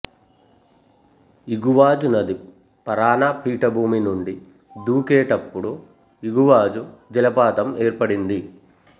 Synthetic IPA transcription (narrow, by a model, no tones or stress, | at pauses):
iɡuʋaːd͡ʒunɐd̪i | pɐɾaːnapʰiːʈɐbʱuːminuɳɖi | d̪uːkeːʈɐpːuɽu | iɡuʋaːd͡ʒud͡ʒɛlɐpaːt̪ɐmeːɾpɐɽind̪i